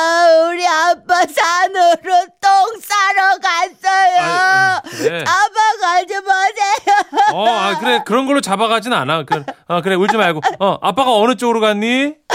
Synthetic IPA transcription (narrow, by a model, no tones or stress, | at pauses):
uɾiap͈ːasʰanɯɾotoŋs͈aɾʌkas͈ʌjo | eabakaɭd͡ʑimʌd͡ʑejoakɯɾe̞kɯɾʌnɡʌɭːot͡ɕabaɡad͡ʑinɯnanakɯakɯɾe̞uɭt͡ɕ͈ʰɯmaɭɡoʌʔap͈ːaɣaʌnɯt͡ɕ͈oɡɯɾoɡanːi